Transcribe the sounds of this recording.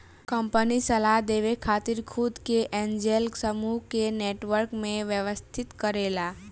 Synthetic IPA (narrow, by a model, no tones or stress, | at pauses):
kə̃mpənisəlaɦd̪eːʋekʰaːt̪ɪɾkʰʊd̪keʔɛ̃nd͡ʒelksəmukeneːʈʋəɾkmẽʋjəʋəst̪ʰɪt̪kəɾeːlaː